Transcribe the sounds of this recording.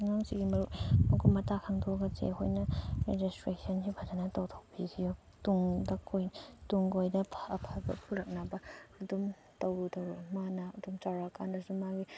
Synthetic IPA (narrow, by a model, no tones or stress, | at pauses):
ŋaŋsiɡimɐɾumɐkʰojmɐtakʰaŋdʰɔɡɐt͡ʃḛho̰jnɐɾḛd͡ʒistɾesʰɐnsibʰʱad͡ʒanɐtɐwtʰowbikʰijo | tuŋdɐkʰojtuŋɡojdɐpʰɐpʰabɐ̰pʰuɾɐk̚nabɐːdum | tɐwɾutɐwɾumanaɐdumt͡ʃaɾaka̰ndɐsumaɡi